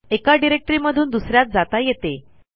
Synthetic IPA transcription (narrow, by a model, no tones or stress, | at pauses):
ekaɖiɾek̚ʈɾiməd̪ʱuːnd̪usɾjat̪̚d͡zat̪ajet̪e